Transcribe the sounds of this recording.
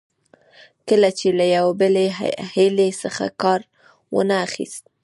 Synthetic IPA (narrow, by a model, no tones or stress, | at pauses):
kəlat͡ʃelajawabəlehelesəxa̰kɑɾ | wə̰naːxḭst̪̚